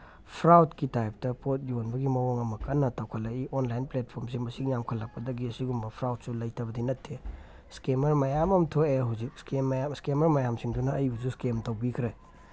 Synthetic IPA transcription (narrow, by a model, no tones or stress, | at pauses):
pʰɾawtkitajp̚tɐpot̚jonbɐɡimɐoŋɐmɐkɐnːɐtʰɐwkʰɐlaionlajnplet̚pʰoɾmsiŋmɐsiŋjamkʰɐlːɐk̚pːɐdɐɡiɐsiɡumbɐpʰɾawt̚sulɐjtʰɐbɐdinɐtʰːe | skemɐɾmɐjamɐmtʰoeɦawzik̚skemjaskemɐɾmajamsiŋdunɐːjususkemtɐwbikʰɾe